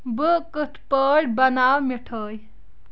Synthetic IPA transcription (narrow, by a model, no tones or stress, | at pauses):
bəkət̪ʰpəːɽbɐnaːwmiʈʰəːj